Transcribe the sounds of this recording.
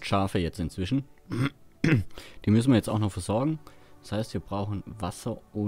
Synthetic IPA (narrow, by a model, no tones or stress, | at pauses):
ʃaːfəjɛt͡stɪnt͡sv̥ɪʃn̩ | d̥iːmʏs̬n̩viːɐjɛt͡staʊxnɔχfɛɐzɔɐɡŋ̩̥shaɪstv̥iːɐbʁaʊxn̩vasɐʔʊ